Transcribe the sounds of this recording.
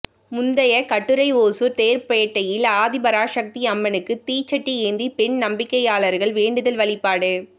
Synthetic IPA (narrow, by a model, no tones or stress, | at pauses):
mʊnd̪ɐjɐkɐʈːɯɾɐɪoːsuɾt̪eːɾpɐjɐʈːɐjɪlaːðɪbɐɾaːʂɐk̚t̪iɐmːɐnɯkːɯt̪iːt͡ʃːɐʈːieːnd̪ipɛɳnɐmbɪkːɐjaːɭɐɾɣɐɭʋeːɳɖɯðɐlʋɐɭɪpːaːɽɯ